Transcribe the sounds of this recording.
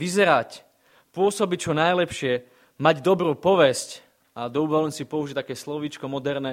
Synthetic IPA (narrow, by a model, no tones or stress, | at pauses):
ʋizɛɾac | pʊɔsɔbic̚t͡ʃɔnajlɛpʃɪɛ | maɟd̪ɔbɾuːpɔʋɛsc | ad̪ɔuʋɔlɲsipɔuʒit̪akɛːslɔʋiːt͡ʃkɔmɔd̪ɛɾnɛː